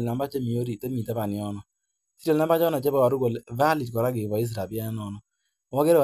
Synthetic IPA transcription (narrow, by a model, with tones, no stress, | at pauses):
lna˨mba˦t͡ʃe˦mi˨o˦ɾi˨te˦mi˨ta˦pa˨nɪ˨ɔ˦nɔ˦ | si˦to˨lna˨mba˦t͡ʃɔ˦nɔ˨t͡ʃe˦ba˦wa˨ɾu˦ko˨lva˦li˨tkɔ˨ɾa˦kɪ˨vɔ˨i˦s̬ɾa˨bi˦a˦n˦nɔ˨nɔ˦˨ | wɔ˦ke˦ɾ